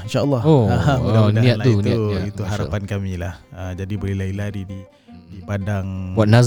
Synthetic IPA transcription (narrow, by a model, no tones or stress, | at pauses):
inʃaʔlːɑoonniaʔt̪unauit̪uɦaɾapankamilahəd͡ʒadibəlilailadidi | dipadaŋwaʔ̪̚naz